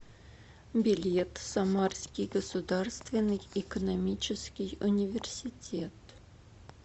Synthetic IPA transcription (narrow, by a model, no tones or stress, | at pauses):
bʲɪlʲet̪sɐmarskʲɪjɡəsʊd̪arst̪vʲɪnːɨjɪkənɐmʲit͡ɕɪskʲɪjʊnʲɪvʲɪrsʲɪtʲʰet̪